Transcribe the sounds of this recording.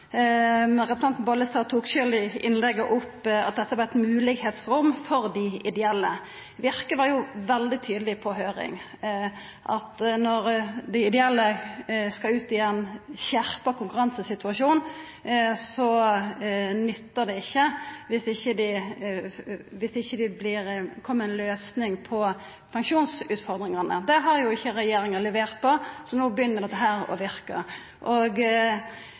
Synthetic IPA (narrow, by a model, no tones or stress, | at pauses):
ɾɛpɾəsɑnt̪n̩bɑləst̪ɑːt̪ʰuːkɕʏld̪ɪɪnlɛɡːəʔʊpɑ̰t̪̚d̪ɛt̪ːəʋɑʁɛt̪mʉːlɪɡheːt̪sʁʊmfɔʁd̪ɪʔɪd̪ɛɛlːə | ʋɪʁkəʋɑjʊʋɛld̪ɪt̪ʰyːd̪əlɪpʰɔɦøːɾɪ̰ŋ | ʔɑt̪nɔʁd̪ɪɪd̪ɛɛlːəskɑʉːt̪ɪɛnçæʁpəkʰʊŋkʉʁɑnsəsɪt̪ʉɑʂuːn | sɔ | nʏt̪ːəd̪ɛɪçːəʋɪsɪçːəd̪ɪ | ʋɪsɪçːəd̪ɪblɪɾkʰɔmːəɾɛnløːsnɪŋpʰɔ | pʰɑŋkʃuːnsʉːt̪fɔɾd̪ɾɪŋɑnə̰d̪ɛɦɑɾjʊɪçːəɾɛjeːɾɪŋəlɛʋeːʁt̪pʰɔsɔnuːbəjʏnːəɾd̪ɛt̪ːəɦæːɾɔ̰ʋɪɾkə̰ | ʔoːɡ